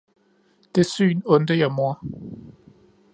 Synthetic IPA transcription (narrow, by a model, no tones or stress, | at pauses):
d̥esy̰ːnɔ̽nd̥əjamoɐ̰